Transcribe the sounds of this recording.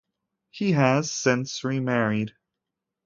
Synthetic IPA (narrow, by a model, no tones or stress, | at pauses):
hiɨz̥sɪ̃nsɹimɛɹid̥